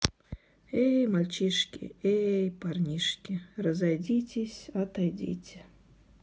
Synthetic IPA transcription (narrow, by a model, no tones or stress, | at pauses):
ejmalʲt͡ʃiʂkʲḭejparnʲiʂkʲirəzajdʲitʲʰesʲɐt̪ajdʲḭtʲʰɪ